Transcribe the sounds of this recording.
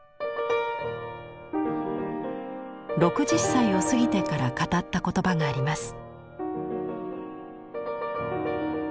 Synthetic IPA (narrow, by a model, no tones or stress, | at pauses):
ɾo̞kɯ̟ʑisaio̞sɨɡʲit̪e̞kaɾakat̪at̪ːako̞t̪o̞baŋaːɾʲimasɨ̥